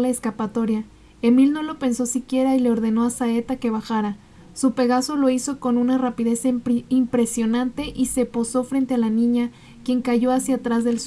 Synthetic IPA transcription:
laeskapat̪o̞ɾja | e̞milno̞lo̞pe̞nso̞sikje̞ɾaile̞o̞ɾðe̞no̞asae̞t̪ake̞βaxaɾa | supe̞ɣaso̞lo̞iso̞ko̞nunarapiðe̞simpɾe̞sjo̞nant̪e̞ʔise̞po̞so̞fɾe̞nt̪e̞alanĩɲa | kje̞ŋkaʝo̞asjat̪ɾazðe̞ls

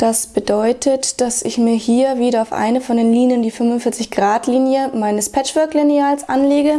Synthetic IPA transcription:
d̥asb̥ədɔʏtʰətd̥asɪçmiːɐhiːɐviːɾɐaʊfʔa̰ɪnəfɔndeːnliːnjəndiːfʏnvʊntfɪɐt͡sɪçɡ̥ʁaːtliːnjəmaɪnəspʰɛt͡ʃv̥œɐkliniaːlsʔanleːɡə

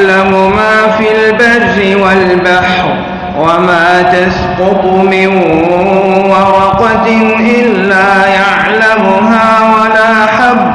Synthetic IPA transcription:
lamʊmaːfiːlbadːɪwalbaħɾ | wamaːt̪asqʊt̪ˤmɪnhʊwɑɾˤɑqɑt̪ʔɪllːaːjaʕlamʊɦaːwalaːʔaħabː

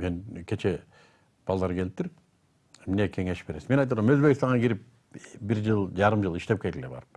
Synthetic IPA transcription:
me̞nkʲʰe̞t͡ʃʰe | b̥ɑlˠd̪ɑɾɡʰe̞lip̚t̪yɾ | mnekʲʰe̞ŋe̞ʃbe̞ɾe̞simenɑjt̪uɾɑmøzbekst̪ɑɴʁɑɡiɾip̚ | biɾd͡ʒɯlˠd͡ʒɑɾɯmd͡ʒɯlˠiʃt̪e̞p̚kelɡ̪ilebɑ̰ɾɯp̚

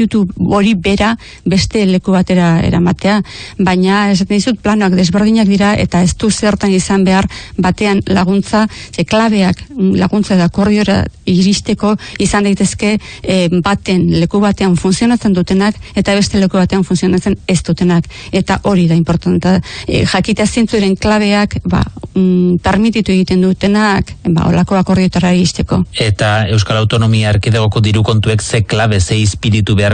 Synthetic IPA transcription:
ut̪uo̞ɾiβe̞ɾa | βe̞st̪e̞le̞kuβat̪e̞ɾae̞̰ɾa̰mat̪e̞aβaɲae̞s̬at̪end̪isut̪̚planoakd̪e̞zβe̞ɾð̞iɲak̚d̪iɾae̞̰t̪ae̞st̪use̞ɾt̪anisambe̞aɾbat̪e̞anlaɣ̞unt͡saeklaβ̞e̞aklaɣunt͡saeðako̞ɾðio̞ɾa̰iɾist̪e̞ko̞isand̪ajt̪e̞ske̞bat̪e̞nle̞kuβ̞at̪e̞aɱfunsio̞nat͡se̞nd̪ut̪e̞nake̞t̪aβ̞e̞st̪e̞le̞kuβat̪e̞aɱfunsio̞nat͡se̞ne̞st̪ut̪e̞nake̞t̪aʔo̞ɾiðaimpo̞ɾt̪ant̪aʝakit̪easient͡suɾe̞ŋklaβ̞e̞akba̰ | t̪aɾmit̪it̪ue̞ɣ̞it̪e̞nd̪ut̪e̞nakba̰o̞̰lako̞ako̞ɾð̞io̞t̪aɾaiɾist̪e̞ko̞e̞t̪ae̞wskalawt̪o̞no̞miaːɾkiðeɣo̞ko̞d̪iɾuko̞nt̪ue̞kse̞klaβe̞seispiɾit̪uβe̞aɾ

